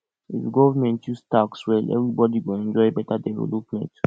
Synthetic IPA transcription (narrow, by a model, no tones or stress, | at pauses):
ḭfɡɔvamɛ̃ntjustakswɛlɛ̰vɹibɔdiɡoɛ̃nd͡ʒɔɪbɛtadɛvo̰lupmɛ̃nt